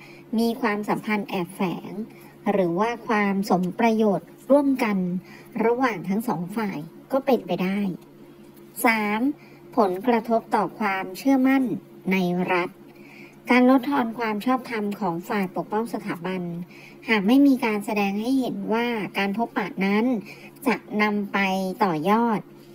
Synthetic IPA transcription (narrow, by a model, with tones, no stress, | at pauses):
miː˧kʰwaː˧msa˩˦mpʰa˧nʔɛː˨˩p̚fɛː˩˦ŋ | ɾɯː˩˦waː˥˩kʰwaː˧mso˩˦mpɾa˧joː˨˩t̪̚ɾu˥˩əmka˧n | ɾa˧waː˨˩ŋt̪ʰa˦˥ŋsɔː˩˦ŋfaː˨˩jkɔː˥˩pe˧npa˧jdaː˥˩j | saː˩˦m | pʰo˩˦nkɾa˧t̪ʰo˦˥p̚t̪ɔː˨˩kʰwaː˧mt͡ɕʰɯ˥˩əma˥˩nː | a˧jɾa˦˥t̪̚ | kaː˧nlo˦˥t̪ʰːɔː˧nkʰwaː˧mt͡ɕʰɔː˥˩p̚t̪ʰa˧mkʰɔː˩˦ŋfaː˨˩jpo˨˩k̚pɔ˥˩ŋsa˧t̪ʰaː˩˦ba˧n | haː˨˩k̚ma˥˩jmiː˧kaː˧nsa˧dɛː˧ŋha˥˩jhe˩˦nwaː˥˩kaː˧npʰo˦˥pːaː˨˩t̪̚na˦˥n | t͡ɕa˨˩k̚na˧mpa˧jt̪ɔː˨˩jɔː˥˩t̪̚